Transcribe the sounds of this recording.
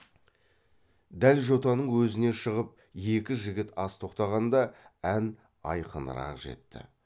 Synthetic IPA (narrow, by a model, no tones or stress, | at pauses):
d̪ælʒo̞t̪ɑnəɴwɵzɪne̞ʃəʁəp̚ | je̞kʲɪʒɪɡʲɪt̪ɑst̪ʰo̞qt̪ɑʁɑnd̪ɑæn | ɑ̰jqən̰ɾɑ̰qʒe̞̰t̪ːɪ̰